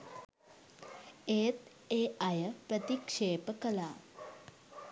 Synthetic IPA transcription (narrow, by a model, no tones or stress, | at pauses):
eːt̪ | eːajəpɾət̪ikʂeːpəkəlaː